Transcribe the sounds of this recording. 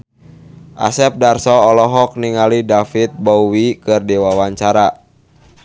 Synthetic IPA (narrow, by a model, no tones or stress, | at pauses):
ʔa̰sɛp̚darsɔːlɔɦɔk̚niŋalidafit̪̚bɔwikɨrdɛwawaɲt͡ʃaɾa